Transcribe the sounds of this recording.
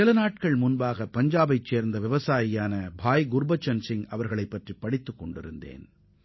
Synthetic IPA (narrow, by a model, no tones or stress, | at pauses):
ɪlɐnaːʈ̚kɐɭmʊnbaːɣɐpɐɲd͡ʒaːbɐɪt͡ʃːeːɾnd̪ɐʋɪʋɐsaːjɪjaːnɐbʱaːjɡʊɾbɐt͡ʃːɐnsɪŋɐʋɐɾɣɐɭɐɪpːɐʈripːɐɽɪt̪ːɯkːɔɳɖɪ̰ɾɯnd̪ḛːn